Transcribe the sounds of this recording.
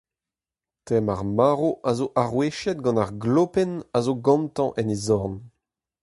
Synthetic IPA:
tɛmaʁmaːʁoʔazoʔaʁweʃɛt̪̚ɡɑ̃naʁɡloːpɛnazoɡɑ̃mt̪ɑ̃ʔɛnezɔʁn

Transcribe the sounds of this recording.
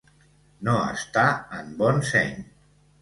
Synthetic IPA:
noə̰st̪aəmbɔnsɛɲ

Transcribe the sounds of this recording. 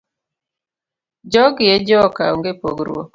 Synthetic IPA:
d͡ʒɔɡɪjɛd͡ʒɔka̰oŋɡepo̰ɡɾwo̰k

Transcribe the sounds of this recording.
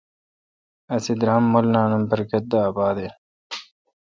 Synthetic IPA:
ɐsid̪ɾɐmːolnaːnɐmpɐɾkɐt̪̚d̪aːbaːd̪e

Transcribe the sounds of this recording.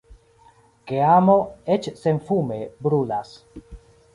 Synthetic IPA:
keamo̞et͡ʃsenfume̞bɾulas

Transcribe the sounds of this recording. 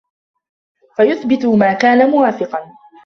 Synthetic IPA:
fajʊθbɪt̪ʊmaːkaːnamʊwaːfɪqɑn

